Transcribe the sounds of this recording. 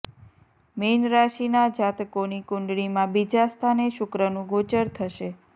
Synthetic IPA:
menɾaʃinad͡ʒat̪konikʊ̃ɳɖɽimãbid͡ʒast̪ʰaneʃʊkɾənũɡot͡ʃəɾt̪ʰəʃe

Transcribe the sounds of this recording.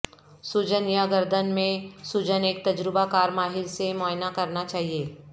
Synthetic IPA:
sud͡ʒənjaɡəɾd̪ʱənmẽsʊd͡ʒəneːk̚t̪ɐd͡ʒɾɪbakaːɾmaːɦɪlsemɔːɪnakɐɾnat͡ʃaːɦieː

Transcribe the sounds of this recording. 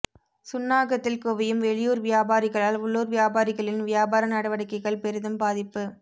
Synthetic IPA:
sʊnːaːɣɐt̪ːɪlkoːʋɐjɯmʋɛɭɪjuːɾʋɪjaːbaːɾɪɣɐɭaːlʊɭːoːɾʋjaːbaːɾɪɣɐɭɪnʋɪjaːbaːɾɐnɐɽɐʋɐɽɪkːɐɪɣɐɭpɛɾɯðɯmbaːðɪpːɯ

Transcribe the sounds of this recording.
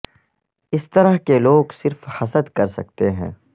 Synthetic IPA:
ɪst̪ɐɾəɦkeloːɡsɪɾfhɐsəd̪kɐɾsɐ̰k̚t̪eɦɛ̃ː

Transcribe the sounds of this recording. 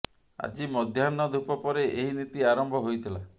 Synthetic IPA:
a̰d͡ʒimɔd̪ʱjanːɔd̪ʱupɔpɔɾeʔeɦinit̪iaɾɔmbʱɔɦojt̪ʰila

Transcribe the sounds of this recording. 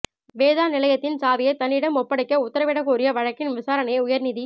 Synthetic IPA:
ʋeːðaːnɪlɐjɐt̪ːɪnsaːʋɐjɐɪt̪ːɐnːɪɽɐmɔpːɐɽɪkːɐʊt̪ːɐɾɐʋɪɽɐkuːrɪjɐʋɐɻɐkːɪnʋɪsaːɾɐnɐjʊjɐɾnɪði

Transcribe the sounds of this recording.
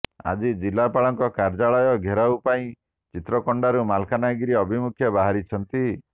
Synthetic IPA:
a̰d͡ʒid͡ʒilapaɭɔŋkɔkaɾd͡ʒaɭɔjɔɡʱeɾaupaĩ | t͡ʃit̪ɾɔkɔɳɖaɾumalkʰanaɡiɾiɔbʱimukʰjɔbaɦaɾit͡ʃʰɔnt̪i

